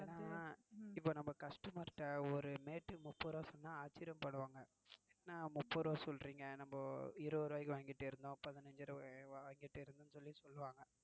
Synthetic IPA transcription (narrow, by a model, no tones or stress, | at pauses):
naː | ɪpːoːnɐmbɐkɐsʈɯmɐɾʈːɐɔɾɯmeːʈːɯmʊpːoɾoːsɔnːaːaːt͡ʃːɪɾjɐmpɐɽɯʋaːŋɡɐ | nːaːmʊpːoɾoːsɔlɾiːŋɡɐnɐmbɐɪɾɯɔɾɯʋɐɪkːɯʋaːŋɡɪʈːɯɪɾɯnd̪õːpɐðɪnɐɲd͡ʒɯɾʋaːŋɡɪʈːɯɪɾɯnd̪ɯnːɯsɔlːisɔlːɯʋaːŋɡɐ